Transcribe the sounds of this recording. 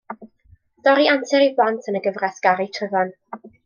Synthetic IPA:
dɔɾiantʰɛɾiblˠantʰənəɡəvrɛsɡ̥aɾitʰrəvɔn

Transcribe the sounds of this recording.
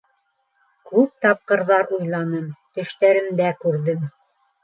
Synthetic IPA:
kʉp̚t̪ɑp̚qɤ̆ɾðɑɾujlˠɑnɤmt̪ɵ̆ʃt̪æɾɘ̆md̪ækʉɾðɘm

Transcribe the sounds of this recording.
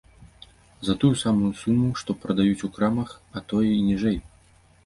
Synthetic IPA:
zɐt̪ujusamujusumːuʂt̪ɔpɾɐd̪ajut͡sʲukɾamɐxɐt̪ɔjɛinʲiʐɛj

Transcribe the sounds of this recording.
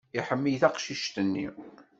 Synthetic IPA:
iħəmːijθæqʃiʃt̪ənːḭ

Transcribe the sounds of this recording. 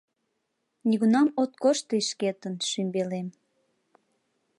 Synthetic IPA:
nʲiɣunɑmot̪̚koʃt̪əʃket̪ənʃymbelem

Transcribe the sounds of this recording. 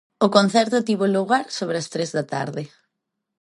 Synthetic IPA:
ʊkon̟θɛɾt̪ʊt̪iβoluɣaɾsoβ̞ɾeɐst̪ɾezðɐt̪a̰ɾðɪ

